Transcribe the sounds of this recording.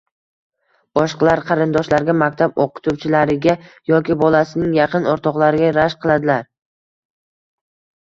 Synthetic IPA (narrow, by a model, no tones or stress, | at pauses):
bɒʃqlˠaɾqʰɑɾɪnd̪ɒʃlaɾɡʲamakʲt̪ʰaboqʊ̥t̪ʰuwt͡ʃʰɪlaɾɪɡʲajɒkʲɪbɒlasɪnɪŋjɑqʰɨnɒɾt̪ʰɒqlˠaɾɪɡʲaɾaʃqʰɨlˠad̪ɪlaɾ